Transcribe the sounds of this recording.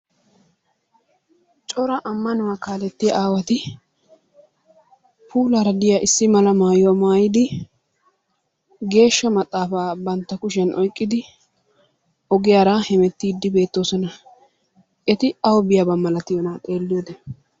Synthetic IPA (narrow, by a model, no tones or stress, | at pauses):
t͡ʃʼɔɾɐʔɐmːɐnʊwaːkaːlɛt̪ːɪjɐʔaːwɐt̪ɪ | pʰuːlaːɾɐd̪ɪjaʔɪsːɪmɐlɐmaːjmaːjɪd̪ɪ | ɡe̞ːʃːɐmɐt̪ʼːaːfaːbɐnt̪ːɐkʊʃ̬ɛnʔɔjkʼːɪd̪ɪ | ʔɔɡɪjaːɾahɛmɛt̪ːiːd̪ːɪbe̞ːt̪ːo̞ːsɔnɐ | ʔɛt̪ɪɐwɔbɪjaːbɐmːɐlɐt̪ɪjonaːt̪ʼe̞ːlːɪjoːd̪ɛn